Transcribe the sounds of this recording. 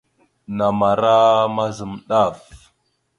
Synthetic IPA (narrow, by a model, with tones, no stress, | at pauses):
na˨ma˨ɾa˦ma˦zə˨mɗa˦˨f